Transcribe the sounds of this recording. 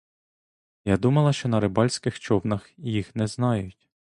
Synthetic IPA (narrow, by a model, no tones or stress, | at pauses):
jad̪umɐlˠɐʃt͡ʃɔnɐɾɪbɑlʲsʲkɪxt͡ʃɔwnɐxjixnɛznɑjʊtʲ